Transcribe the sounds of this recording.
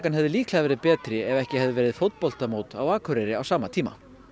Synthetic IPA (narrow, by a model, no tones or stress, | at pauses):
kanɦɛvðɪliːkʰlaavɛːɾɪðpɛːt̪ɾɪɛvɛhcɪhɛvðɪvɛːɾɪðfowt̪pɔl̥t̪amoːwt̪awaːkʰʏɾɛɾɪawsaːmat̪ʰiːma̰